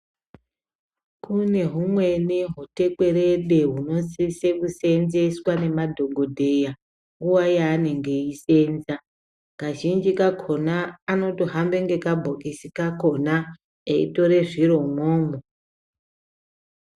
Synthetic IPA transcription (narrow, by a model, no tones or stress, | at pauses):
kune̞ɦumwe̞neɦute̞kwe̞ɾeɗe̞ɦuno̞sisekuse̞nzeswane̞madʱo̞ɡʱo̞dʱe̞ja | ŋɡuwajaːne̞ŋɡe̞ise̞ːnza | kaʒind͡ʒikakʰo̞naːno̞toɦambe̞ŋɡe̞kabʱokisikako̞na | eḭto̞ɾe̞ʐiɾo̞mwoːmo